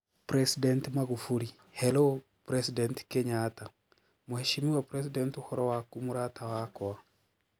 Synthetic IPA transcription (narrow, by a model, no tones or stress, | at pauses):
pɾesidɛntmaɣufuɾi | hɛlo | pɾesidɛntkeɲata | muheʃimiwapɾes̬idɛntuhɔɾɔwakumuɾatawakɔa